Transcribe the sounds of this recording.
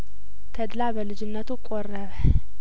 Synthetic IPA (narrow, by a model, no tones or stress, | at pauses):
t̪ʰɐd̪labɐlɨd͡ʒɪnːɐt̪ʰukʷʼorɐβɐ